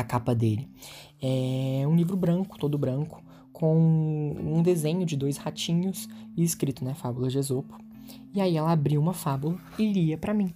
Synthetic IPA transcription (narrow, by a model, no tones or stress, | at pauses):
akapɐd̪elɪ | ɛũlivɾʊbɾɐ̃kʊ̥t̪od̪ʊbɾɐ̃kʊ̥ | kʰõw̃ũd̪ezẽɲʊd͡ʒɪd̪ojshat͡ʃĩɲʊs | ɪːskɾit̪ʊnɛfabʊlɐd͡ʒɪezopʊ̥ | ɪaiɛlɐabɾiwũmɐfabulɐ | ɪliɐpɾʔɐmĩ